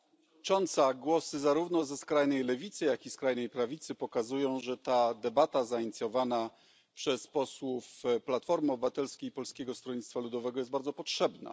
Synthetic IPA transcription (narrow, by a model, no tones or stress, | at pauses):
t͡ʂɔnt̪saɡwɔsɘzaɾuvnɔzɛskɾajnɛjlɛvʲit̪sɘjakʲiskɾajnɛjpɾavʲit̪sɘpɔkazujɔ̃w̃ʐɛt̪ad̪ɛbat̪azaiɲit̪sʲjɔvana | pʂɛspɔswufplat̪fɔɾmɘɔbɘvat̪ɛlskʲejipɔlskʲɛɡɔst̪ɾɔɲit̪t̪falud̪ɔvɛɡɔjɛsbaɾd̪zɔpɔtʂɛbna̰